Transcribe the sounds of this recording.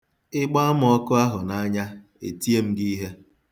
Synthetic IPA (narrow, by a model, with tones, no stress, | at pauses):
ɪ˦ɡ͡ba˦a˦m˨˦ɔ˦kʊ˦a˦ɦʊ˨na˦ɲa˦ | ḛ˨ti˦e˦m̩˦ɡi˦ɦe˦